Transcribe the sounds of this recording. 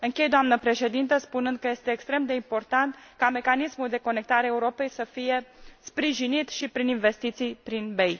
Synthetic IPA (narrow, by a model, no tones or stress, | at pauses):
ɨŋkʲe̞jd̪oamnəpɾe̞ʃe̞d̪int̪əspunɨnd̪̚kəje̞st̪e̞ːkst̪ɾe̞md̪e̞impo̞rt̪ant̪kame̞kanismuld̪e̞ko̞ne̞k̚t̪aɾeeuɾo̞pe̞jsəfije̞spɾiʒinit̪ʃipɾininve̞st̪it̪sijpɾinbe̞j